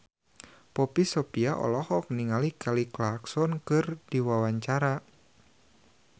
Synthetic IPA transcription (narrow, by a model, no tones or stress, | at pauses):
pɔpisɔpiaʔɔ̰lɔhɔk̚niŋalikʰaliklaksɔnkɨrdiwawaɲt͡ʃaɾa